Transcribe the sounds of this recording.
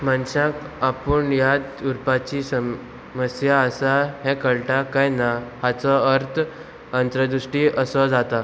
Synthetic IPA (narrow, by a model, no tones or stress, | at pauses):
manɕãk | apuɳjat̪uɾpat͡ɕiːsə | məsjaəsaɦɛ̃kəɭʈakajnahat͡sɔəɾt̪ʰ | ənt̪ɾəd̪uʂʈiːəsɔd͡zat̪a